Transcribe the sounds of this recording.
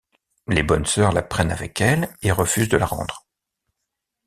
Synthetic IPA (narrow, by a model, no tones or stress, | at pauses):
lebɔnsœʁlapχɛnavɛkɛleʁəfyzd̪əlaʁɑ̰̃d̪ʁ